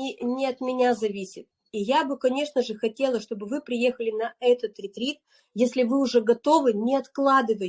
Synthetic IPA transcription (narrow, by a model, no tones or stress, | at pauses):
inʲɪɐt̪mʲɪnʲazɐvʲisʲɪt̪̚ | ijabɨkɐnʲe̞ʂnəʐɨxɐtʲe̞lˠəʂt̪o̞bɨvɨpɾʲɪje̞xəlʲɪnɐɛt̪ət̪ɾʲɪt̪ɾʲit̪ | jesʲlʲɪvɨʊʐɛɡɐt̪o̞vɨnʲɪɐt̪klˠad̪ɨvə